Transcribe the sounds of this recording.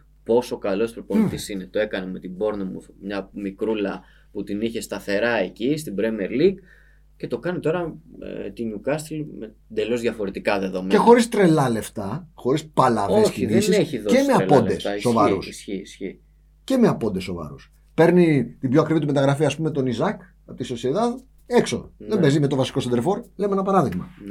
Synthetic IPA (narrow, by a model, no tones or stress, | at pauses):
po̞so̞kɐlo̞spɾopoit̪isinet̪o̞e̞kɐneme̞t̪ibo̞ɾnimṵmɲɐmikɾulɐ | put̪iniçest̪ɐθe̞ɾɐecist̪ibɾemeɾliɡ | ce̞t̪o̞kɐnit̪o̞ɾɐ̰t̪iɲukɐst̪ɾilme | d̪e̞lo̞zðʝɐfo̞ɾet̪ikɐðe̞ðo̞mee̞xo̞ɾist̪ɾe̞lɐle̞ft̪ɐxo̞ɾispɐlɐvosiðisiseçiðoemeɐpo̞nd̪esːo̞vɐɾusçisçi | ce̞meɐpo̞nd̪esːo̞vɐ̰ɾṵs | pe̞ɾnit̪ibjoɐkɾivit̪umet̪ɐɣɾɐfiɐːspumemet̪o̞nizɐk | ɐpot̪isoseðɐð | e̞kso̞̰nðebezime̞t̪o̞vɐsi̥kosend̪eɾfo̞ɾle̞meenɐpɐɾɐðiɣmɐ̰